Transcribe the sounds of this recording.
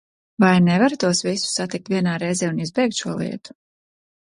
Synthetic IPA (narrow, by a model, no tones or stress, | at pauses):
vajnɛvaɾt̪uɔsvisu̥sat̪ik̚t̪vʲiɛnaːɾɛjzɛːunizbɛjk̚t̪ʃuɔlˠḭɛt̪u̥